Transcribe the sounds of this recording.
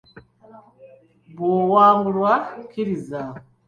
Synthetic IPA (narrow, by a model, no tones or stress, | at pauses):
bowaːŋɡulwakʰiɾiza